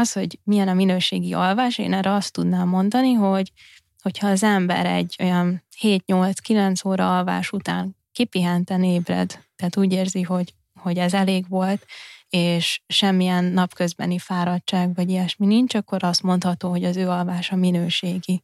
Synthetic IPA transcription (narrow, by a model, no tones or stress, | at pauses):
ɒsho̞ɟmijɛnɒminøːʃeːɡiʔɒlvaːʃḛːnɛɾɛɒst̪ːud̪naːmːo̞nd̪ɒniɦo̞ɟ | ho̞cʰhɒːzɛmbɛ̰ɾɛ̰ɟːo̞̰jɒnheːt̪ɲo̞lt̪skilɛnt̪soːɾɒɒlva̰ːʃut̪a̰ːŋ | kipiɦɛnt̪ɛneːbrɛ̰d̪t̪ːɛaːt̪uːɟeːrziɦo̞ɟ | ho̞ɟɛzɛleːɡʋo̞lt̪eːʃʃɛmːijɛnːɒpkø̞zbɛ̰nifaːɾɒtt͡ʃaːɡvɒɟijɛʃminiɲt͡ʃɒkːo̞ɾɒst̪mo̞nt̪hɒt̪oːɦo̞ɟɒzøːɒlvaːʃɒminøːʃeːɡi